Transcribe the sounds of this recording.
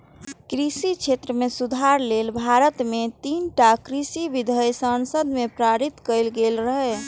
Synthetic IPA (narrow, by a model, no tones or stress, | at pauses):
kɾisit͡ʃʰet̪ɾəmesud̪ʱaɾlelbʱaɾət̪met̪inʈakɾisibid̪ʱəjsənsəd̪mepɾaɾit̪kəjlɡelɾəɦɛ